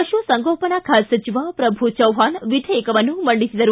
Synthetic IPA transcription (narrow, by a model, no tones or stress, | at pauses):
ɐʃuʋɐsɐŋɡoːpɐnakʰaːsɐt͡ʃiʋapɾɐbʱut͡ʃɐwɦaːnʋid̪ʱɐekɐʋɐnːumɐɳɖisid̪ɐɾu